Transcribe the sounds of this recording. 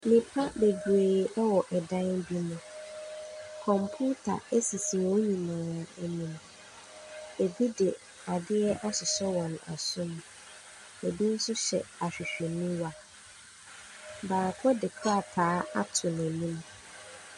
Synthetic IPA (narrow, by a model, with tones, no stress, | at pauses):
nĩ˨pʰa˦be˨ɡɾeː˨ɛ˦wɔ˨ʔɛ˨dã˦nbi˦nʊ̃˦ | kʰɔ̃˨mpʰu˦tʰa̰˨e˦si˨sĩ˨wo˦ɲĩ˨mãː˨e˨nĩ˨m | e˨bi˦dɛ˨ | a˨dɪ˦ɛ˦ʔa˦sɪ˨sɔ˦wɔ̃˨na̰˨sʊ̃˦m | e˨bi˦n̩˦sʊ˦ɕɛ̰˨a˨ɕᶣɪ˨ɕᶣɪ˨nĩ˦wa˨ | baː˨kʰɔ˦dɪ˨kʰɾa˦˨tʰaː˨˦a˦tʰʊ˨næ˨nĩ˦m